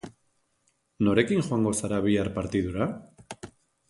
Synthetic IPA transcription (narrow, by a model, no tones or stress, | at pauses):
noɾekiŋxwaŋɡosaɾaβiaɾpaɾt̪iðuɾa